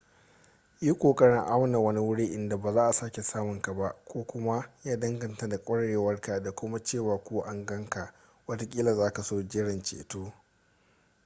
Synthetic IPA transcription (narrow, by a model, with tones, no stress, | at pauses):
jiː˦kʷoː˨kʼɐ˦ɽɪ˦ŋʔa˦wna˨wɐ˦ni˦wʊ˦ɽi˦ʔɪ˦nda˨baː˨zaː˦ʔa˨saː˦kʲe˨saː˦mʊ˨ŋka˨ba˦ʔkʷoː˦kʷʊ˦ma˦jaː˦dɐ˦ŋɡɐ˨nta˦da˨kʷʼɐ˦ɽɽeː˨wɐ˦rka˨da˨kʷʊ˦ma˦t͡ʃeː˦˨waː˨kʷu˦ʔa˦ŋɡɐ˦ŋka˨ʔ | wɐ˦ta˦kʲʼiː˦la˨zaː˦ka˨soː˦d͡ʒɪ˦ɽɪ˨nt͡ʃḛː˨toː˦